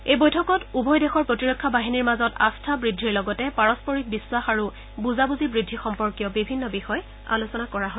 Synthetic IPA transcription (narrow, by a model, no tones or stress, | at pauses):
ejbojtʰɔkɔtubʱɔjdexɔɹpɹɔtiɹɔkʰːabaɦiniɹmazɔta̰stʰabɹidʱːiɹlɔɡɔtɛpaɹɔspɔɹik̚biswaxaɹu | buzabuzibɹidʱːixɔmpɔɹkijɔbibʱinːɔbixɔj | a̰lusɔnakɔɹaɦo